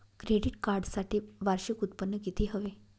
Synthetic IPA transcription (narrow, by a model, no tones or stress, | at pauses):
kɾeɽiʈkaɾɖsaʈiːʋaɾɕikut̪̚pənːəkit̪ʰiːɦəʋe